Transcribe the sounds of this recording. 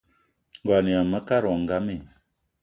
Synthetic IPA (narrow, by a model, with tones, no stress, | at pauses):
ŋ˨ɡwa˨ni˨a˨mə˦ka˦ɾɔ˨ŋ˨ɡa˦mi˨